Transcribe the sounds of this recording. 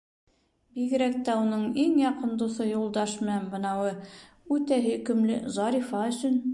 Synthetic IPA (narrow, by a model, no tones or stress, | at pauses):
biɡɘ̆ɾæk̚t̪æunɤɴiŋjɑqɤ̆nd̪usɤjulˠd̪ɑʃmɘ̆nænbɤ̆nɑwɤ | ʉt̪æɦɘkɵ̆mlɘ̰zɑɾʲifɑɵ̆sɵn